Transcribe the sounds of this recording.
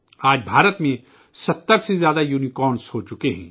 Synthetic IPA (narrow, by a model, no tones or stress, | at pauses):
aːd͡ʒbʱaːɾət̪mẽ | sɐt̪ːəɾsezjaːd̪ajunikɔːnshoːt͡ʃʊkeɦɛ̰̃ː